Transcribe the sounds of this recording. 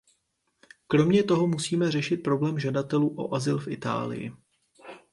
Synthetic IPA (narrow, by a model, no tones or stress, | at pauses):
kɾo̞mɲɛt̪o̞ɦo̞musiːmɛr̝ɛʃɪt̪̚pɾo̞blɛːmʒadat̪ɛluːʔo̞̰ʔazɪlfʔɪt̪a̰ːlɪ̰jɪ̰